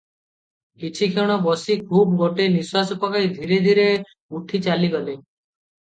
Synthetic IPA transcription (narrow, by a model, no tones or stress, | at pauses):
kit͡ʃʰikʰeɽ̃ɔbɔsikʰuːbɡoʈeniswasɔpɔkajd̪ʱiɾed̪ʱiɾe | uʈʰit͡ʃaliɡɔle